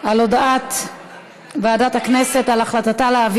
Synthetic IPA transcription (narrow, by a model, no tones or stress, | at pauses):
alo̞daat̪ | baːdathaknesetalaχlat̪ataleav